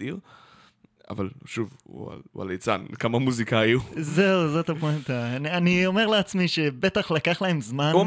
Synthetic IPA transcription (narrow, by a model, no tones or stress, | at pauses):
iʁ | a̰valʃuvṵa̰a̰lejt͡sa̰nkamamuzikaːjuze̞uzot̪apet̪ananio̞me̞ʁleat͡smiʃe̞be̞t̪aχlakaχlae̞mzman